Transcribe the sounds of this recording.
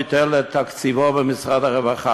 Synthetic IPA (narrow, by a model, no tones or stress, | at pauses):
tɛlətʰakt͡sivɔvəmɪsʁadaʁɛvaχa